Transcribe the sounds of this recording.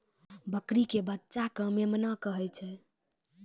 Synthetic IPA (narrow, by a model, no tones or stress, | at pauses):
bəkɾikebətːʃakəmemnakəɦɛt͡ʃʰɛ